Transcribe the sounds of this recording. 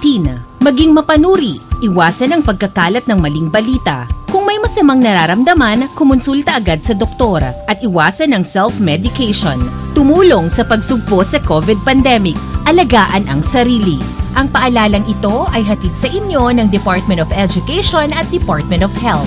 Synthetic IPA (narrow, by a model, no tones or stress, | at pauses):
t̪inɐmɐɡiŋmɐpɐnuːɾiʔɪwaːsɐnɐŋpɐɡ̚kɐkaːlɐt̪̚nɐŋmɐliŋbɐliːt̪ɐ̰kʊŋmɐjmɐsɐmaŋnɐɾaɾɐmd̪ɐmɐnɐkʊmʊnsult̪ɐʔɐɡad̪̚sɐd̪ok̚t̪o̞ɾɐ̰ʔɐt̪̚ɪwaːsɐnɐŋsɛlfmɛd̪ɪkɛjʃo̰nt̪ʊmuːloŋsɐpɐɡ̚sʊɡ̚posɐkovɪd̪̚pɐnd̪ɛmɪk̚ʔɐlɐɡaːʔɐnɐŋsɐɾiːliʔɐŋpɐʔɐlaːlɐŋɪt̪o̞ʔɐjɦɐt̪id̪̚sɐʔɪnjo̞nɐŋd̪ɛpaɹt̪̚mɛ̃nt̪ovɛd͡ʒʊkɛjʃonɐt̪̚d̪ɛpaɹt̪̚mɛ̃nt̪ɔfhɛl